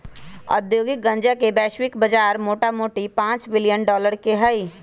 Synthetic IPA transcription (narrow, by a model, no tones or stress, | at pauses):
ɐ̰d̪joːɡɪk̚ɡɐ̃ɲd͡ʒakebɛːʃwɪkbɐd͡ʒaːɾmoːʈamoːʈipãːt͡ʃbɪlɪjənɖɔːləɾkeɦɐi